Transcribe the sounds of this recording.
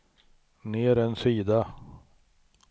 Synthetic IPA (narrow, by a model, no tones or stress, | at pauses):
neːɾɛnsiːd̪a